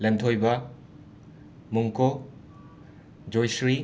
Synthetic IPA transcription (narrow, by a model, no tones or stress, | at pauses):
lɐntʰojbɐ | muŋko | d͡ʒojsɾi